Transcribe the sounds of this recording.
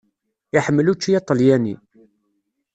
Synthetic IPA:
aħəmːəlut͡ʃːijɑt̪ˤəljænḭ

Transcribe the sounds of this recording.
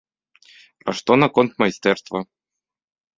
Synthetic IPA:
pɾaʂt̪onakont̪mɐjst̪ɛrst̪vɐ

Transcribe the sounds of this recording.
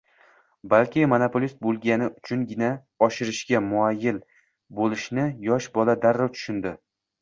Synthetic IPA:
balkʲɪmonopʰolʲist̪̚bolˠɡʲanɪʊt͡ʃʰʊŋɡʲɪna | ɒʃɪɾɪʃɡʲamʊajːɪl | bolɪʃnɪjɒʃbɒlad̪aɾːat̪ʰʊ̥ʃʊnd̪ɪ

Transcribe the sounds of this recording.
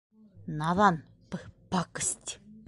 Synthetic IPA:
naðan | pəhpakɨ̥stʲ

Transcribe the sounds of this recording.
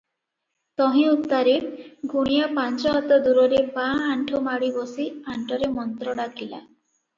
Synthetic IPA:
t̪ɔɦĩupt̪aɾeɡʱuɽ̃ijapant͡ʃɔɦɔt̪ɔd̪uɾɔɾebaaɳʈʰɔmaɽibɔsiaɳʈʰɔɾemɔnt̪ɾɔɽakila̰

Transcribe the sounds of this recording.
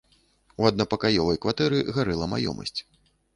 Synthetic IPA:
uɐd̪̚nɐpɐkajɔvɐjkvat̪ɛɾɨɣaɾɛlˠɐma̰jɔ̰mɐ̰sʲt͡sʲ

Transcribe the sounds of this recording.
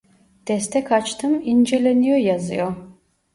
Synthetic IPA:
t̪ʰɛst̪ʰɛkʰat͡ʃt̪ʰɯmind͡ʒɛlenijojazɯ̰jo

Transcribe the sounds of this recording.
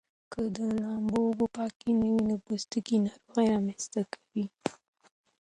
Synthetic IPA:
kəd̪əlɑmbobopɑkinəwinabust̪ukinɑɾoɣajɾɑmenst̪akʰḁwi

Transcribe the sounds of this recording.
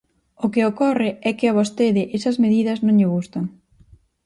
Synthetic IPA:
ʊkɪokɔrɪɛkɪɐβ̞ost̪eðɪʔesɐzmeðiðɐznõŋʎɪɣust̪ɐŋ

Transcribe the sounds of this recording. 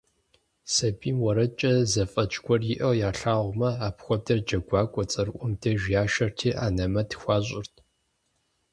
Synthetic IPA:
sɐbiːmwɔɾɐt͡ʃʼɐzɐfʼɐt͡ʃʼɡʷɔrjɪʔɐwjaːɬaːʁʷmɐaːpxʷɔb̚dɐrd͡ʒɐɡʷɑːkʷʼɔt͡sʼɐrʔʷʼʊmdʰɐʒjaːʃɐrtʰiːʔaːnɐmɐtʰxʷɑːɕʼɪrtʰ

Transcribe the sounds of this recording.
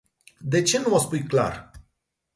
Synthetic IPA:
d̪e̞t͡ʃe̞nuospujkla̰r

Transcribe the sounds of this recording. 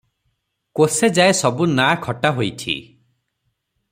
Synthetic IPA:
kosed͡ʒaesɔbunakʰɔʈaɦojt̪ʰḭ

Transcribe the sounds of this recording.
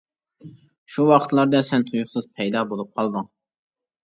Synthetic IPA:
ʃuwɑqʰə̥t̪lˠɑɾd̪ɛsɛnt̪ʰujuχsɨz̥pʰɛjd̪ɑbolˠup̚qʰɑlˠd̪ɨŋ

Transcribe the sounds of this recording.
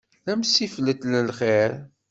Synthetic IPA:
læmsiflət̪ləlχɛɾ

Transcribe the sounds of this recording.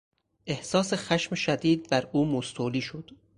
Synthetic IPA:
ʔehsɒːsexæʃmeʃæd̪iːd̪̚bæɾuːmost̪ʰoːliːʃod̪̥

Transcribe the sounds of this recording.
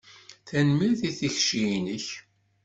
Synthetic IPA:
θænmiɾθiθiçʃinəç

